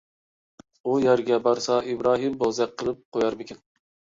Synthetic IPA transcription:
ujæɾɡʲɛbɑɾsɑibɾɑːɦɨmbozɛq̚qʰːəlˠɨp̚qʰojɑɾmɪkʲʰɪn

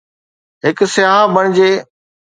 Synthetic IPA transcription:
ɦɪksɪjaːɦbɐɽ̃ɪd͡ʑeː

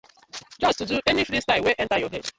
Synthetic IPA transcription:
d͡ʒɔstuduʔenifɾistaɪweʔɛ̃ntajɔɦḛd

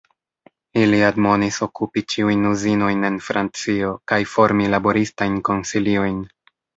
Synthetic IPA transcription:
iliadmo̞niso̞kupit͡ʃiujnuzino̞jne̞nfɾʔant͡sio̞kajfo̞ɾmilabo̞ɾistajnko̞nsilio̞jn

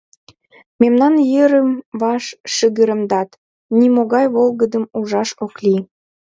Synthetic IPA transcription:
memnɑnjəɾəmβɑʃːəɣəɾə̆md̪ɑt̪ | nimoɣɑjβolɣəd̪əmuʒɑʃokli

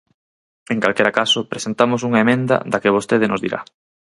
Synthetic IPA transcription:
eŋkalkeɾakasopɾesent̪amos̬uŋaemẽnd̪ɐ̰d̪akeβ̞ost̪eð̞enʔozðḭɾʔa̰

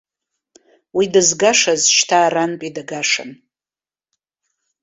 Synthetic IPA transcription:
widɨzɡaʂazʃtʰaːranpʼidaɡaʂa̰n

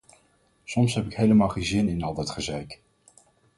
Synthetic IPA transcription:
sɔmsɦɛpɪkɦejləmaːlˠχenzɪnɪnɑlˠdɑtχəzɛjk

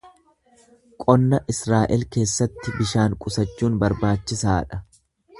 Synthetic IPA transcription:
kʼɔnːɐʔɪsɾaːʔɛlke̞ːsːɐt̪ːɪbɪʃaːŋkʼʊsɐt͡ʃːuːnbɐɾbaːt͡ʃːɪsaːᶑɐ̥

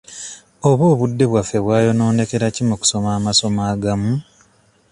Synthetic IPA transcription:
oβoːβudːe̞βwafːe̞βwaːjo̞no̞ːne̞ke̞ɾacimuku̥so̞maːmaso̞maːɡamu

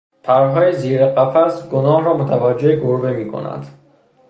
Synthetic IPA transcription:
t̪ʰaɾɦɒːiziɾeqæfæsɡonɒhɾɔːmot̪ʰavæd͡ʒːeiɡoɾbemiːkʰo̰næ̰nd̪

